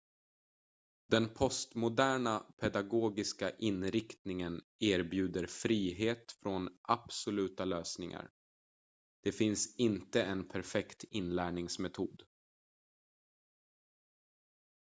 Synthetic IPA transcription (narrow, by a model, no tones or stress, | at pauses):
d̪̥ɛnpʰɔst̪mʊd̪æːɳapʰɛd̪aɡoːɡɪskaʔɪnɾɪkt̪nɪŋən | eːɾbjʉ̟ːd̪əɾfɾiːɦeːt̪fɾɔnʔab̥sʊlʉ̟ːt̪aløːsnɪŋa̰ɾ | d̪̥ɛfɪnsɪnt̪əɛnpʰæɾfɛkt̪ɪnlæːɳɪŋsmɛt̪ʰuːd̪